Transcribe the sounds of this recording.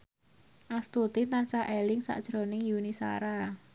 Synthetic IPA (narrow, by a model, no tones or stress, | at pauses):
ʔast̪ut̪int̪ansaʔelɪŋsa̰ʔd̥ʒ̥ɾo̤nɪŋjunisa̰ɾa